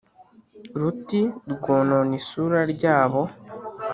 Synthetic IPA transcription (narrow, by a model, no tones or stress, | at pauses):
ɾutiɾɡoːnonisuːɾaɾɟaːβo̞